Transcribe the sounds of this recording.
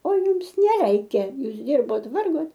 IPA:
oː ˈjʊms nʲɛˈrʲɛɪkʲɛ ˈjuːs ˈdʲɪrboːt ˈʋɐrɡoːt

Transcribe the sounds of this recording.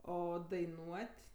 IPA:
ˈoː dɐɪˈnuɔtʲ

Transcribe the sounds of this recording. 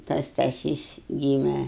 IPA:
tɐs stɐˈsʲiːs ˈɡʲiːmʲɛ

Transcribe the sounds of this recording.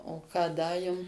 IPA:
oː ˈkɑː ˈdɐ ˈjʊm

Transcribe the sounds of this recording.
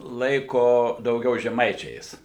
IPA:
ˈlˠɐɪkoː dɐʊˈɡʲɛʊ ʒʲɛˈmɐɪt͡ʃʲɛɪs

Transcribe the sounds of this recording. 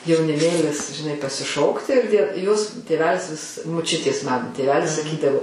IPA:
jɛʊnʲɪˈmʲeːlʲɪs ʒʲɪˈnɐɪ pɐsʲɪˈʃoːktʲɪ ɪr dʲiɛ joːs ˈtʲeːʋʲɛlʲɪs ʋʲɪs mʊˈt͡ʃʲʊtʲeːs ˈmɑːnʊ tʲeːˈʋʲæːlʲɪs sɐˈkʲiːdɐʋoː

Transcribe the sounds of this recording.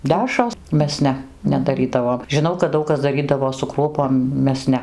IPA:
ˈdʲæʃroːs ˈmʲɛs ˈnʲɛ nʲɛdɐˈrʲiːdɐʋoːm ʒʲɪˈnɐʊ kɐt ˈdɐʊk kɐs dɐˈrʲiːdɐʋoː sʊ ˈkruɔpoːm ˈmʲɛs ˈnʲɛ

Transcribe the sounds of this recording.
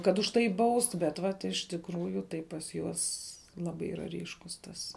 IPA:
kɐt ʊʃ ˈtɐɪ ˈbɐʊst bʲɛt ˈʋɐt ɪʃ tʲɪkˈruːjʊ tɐɪ pɐs ˈjuɔs ˈlˠɑːbɐɪ ˈiːrɐ ˈrʲiːʃkʊs ˈtɐs

